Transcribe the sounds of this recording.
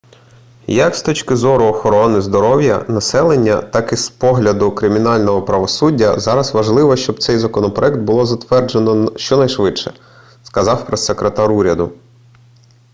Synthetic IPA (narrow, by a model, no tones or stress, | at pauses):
jɐkst̪ɔt͡ʃkɪzɔɾʊɔxɔɾɔnɪzd̪ɔɾɔwjɐ̰nɐsɛlˠenʲːɐ̰t̪ɑkispɔɦlʲɐd̪ʊkɾɪmʲinɑlʲnɔɦɔpɾɐʋɔsudʲːɐ̰zɑɾɐsʋɐʒlˠɪʋɔʃt͡ʃɔbt̪sɛjzɐkɔnɔpɾɔɛkt̪̚bʊlˠɔzɐt̪ʋɛrd͡ʒenɔʃt͡ʃɔnɐjʃʋɪtʃɛ | skɐzɑwpɾessekɾet̪ɑɾuɾʲɐd̪ʊ